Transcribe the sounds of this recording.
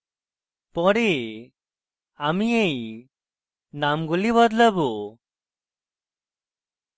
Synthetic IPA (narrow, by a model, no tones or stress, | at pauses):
pɔɽe | amiej | namɡuliβɔd̪lɔbu